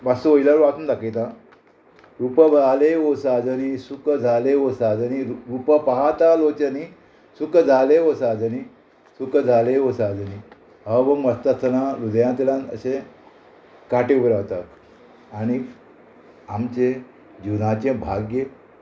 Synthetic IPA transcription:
basuʋoilaɾuʋat̪und̪aket̪ã | ɾupəbaleɦosad͡zənisukəd͡zʱaleɦosad͡zəniɾuɾupəpaɦat̪alot͡ɕəni | sukd͡zʱaleɦosad͡zəni | sukəd͡zʱaleɦosad͡zəni | ɦəʋəməst̪ət̪ʰənaɾud̪jãt̪ilãnə̰ɕe | kaʈeubɾaʋt̪at̪ | añi | amt͡ɕe | d͡ʑunat͡ɕẽbʱaɡje

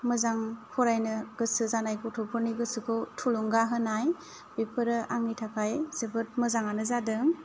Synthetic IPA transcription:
mɯzaŋpʰɔɾajnɯɡ̥ɯsɯzanajkʰɔtʰɔpʰɯɾniɡɯsɯkʰɯtʰuluŋɡaɦɯnaj | b̥ipʰɯɾɯʔaŋitʰakʰajz̥ɯbɯt̚mɯzaŋanɯzadɯŋ

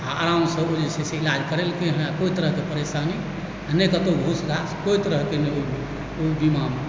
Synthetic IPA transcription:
aəɾaũɖsə̃od͡ʒeseseilad͡ʒkəɾelkeɦẽakoit̪əɾəɦkepəɾesani | anekət̪oɡʱusɡaskoit̪əɾəɦkenəo | obimam

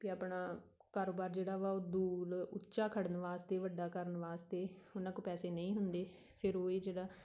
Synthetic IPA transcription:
kiapɳaː | kaːɾoːbaːɾd͡ʒeːɽaːʋaːoːd̪uːɾʊ̰tːʃaːkʰəɽənʋaːst̪eːʋəɖaːkəɾənʋaːst̪eːʊnãːkoːpɛːseːnəĩːɦʊnd̪eː | pʰɪɾoːiːd͡ʒeːɽaː

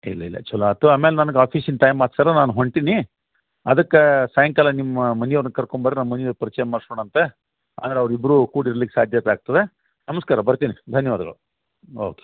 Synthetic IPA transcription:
ilːɐḭlːɐ̰t͡ʃɐlːoɐt̪uaːmeːlenɐnɐɡaːpʰiːsinʈɐjmːaːʈ̪sɐɾɐnaːnuɦoɳɖʈ̪ini | ɐd̪ɐkːesaːjɐŋkɐlɐnimːɐmɐnijɐʋɾnɐkɐɾkoɳbaɾɾnammɐnijɐʋɾpɐɾit͡ʃɛːjɐmaːɽskoːɳɐnt̪e | a̰ːd̪ɐɾeɐʋɾibɾukuːɽiɾlikːe̥saːd̪ʱjɐt̪aːɡ̚t̪ɐd̪e | nɐmɐskaːɾɐbɐɾt̪inid̪ʱɐnjɐʋaːd̪ɐɡɐ̰ɭu | o̰ːke̥

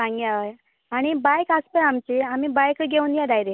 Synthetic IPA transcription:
ãŋɡjaʋəj | aɽ̃ibajkaspəamt͡ɕeamiːbajkɡeũːnjad̪ajɾe

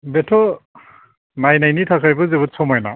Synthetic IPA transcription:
betʰɔ | najnajnitʰakʰajbɯzebɯt̚sɔmajna̰

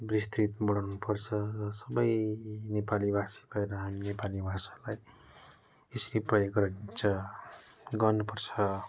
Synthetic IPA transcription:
brist̪rit̪bʌɽawnupʰʌrt͡sʰʌsʌbʌjnepalibʱasi̥bʱʌeɾʌɦaminepalibʱasḁlaj | esʌɾiprʌjoɡrʌint͡sʰʌ | ɡʌnupʌrt͡sʰʌ

